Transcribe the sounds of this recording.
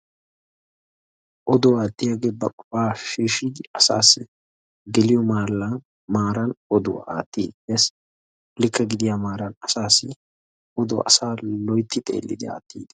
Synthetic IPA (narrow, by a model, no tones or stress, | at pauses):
ʔɔd̪ʊwaːt̪ːɪjaɡeːbɐkʼɔ̥pʼaːʃiːʃid̪ɪɐsa̰ːsːɪ | ɡɛlɪjɔmaːlːɐ | maːɾɐnɔd̪ʊ̰a̰ːt̪ːiːd̪ɛs | lɪkːɐɡɪd̪ɪjamaːɾɐnɐsaːsːɪ | ʔɔd̪ʊʔɐ̰saːlɔjt̪ːɪt̪ʼḛːlːɪ̰d̪ɪa̰ːt̪ːiːd̪ɐ